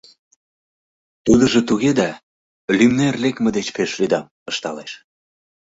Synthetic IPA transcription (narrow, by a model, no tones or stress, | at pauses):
t̪ud̪ə̆ʒĕt̪uɣed̪ɑ | lymnerlekmĕd̪et͡ɕpeʃlyd̪ɑm | əʃt̪ɑleʃ